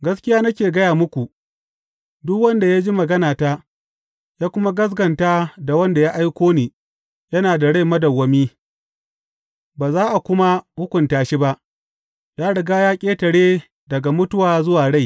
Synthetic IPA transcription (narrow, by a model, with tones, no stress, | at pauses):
ɡɐ˦skʲɪ˦jaː˦nɐ˦kʲeː˨ɡɐ˦jaː˨mʊ˦kʷu˨ | dʊ˦kwɐ˦nda˨ja˦d͡ʒi˦mɐ˨ɡɐ˦naː˨taː˦ | jaː˦kʷʊ˦ma˦ɡɐ˦s̬ɡɐ˨ntaː˦da˨wɐ˦nda˨ja˦ʔa˦jkʷoː˦niː˨ | jɐ˦naː˨da˨ɽa˦jmɐ˦dɐ˨wːɐ˨miː˦ | baː˨zaː˦ʔa˨kʷʊ˦ma˦hʊ˦kʷʊ˨ntaː˨ʃi˦ba˦ʔ | jaː˦ɽɪ˨ɡaː˦jaː˦kʲʼeː˦tɐ˨ɽeː˦ | dɐ˨ɡa˨mʊ˦tʊ˦waː˨zʊ˦waː˨ɽa˦˨j